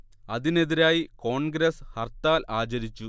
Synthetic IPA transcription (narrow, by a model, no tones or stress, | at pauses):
ɐðine̞ðiɾaːjiko̞ːɳɡɾeshɐrt̪aːlaːt͡ɕɐɾit͡ɕːu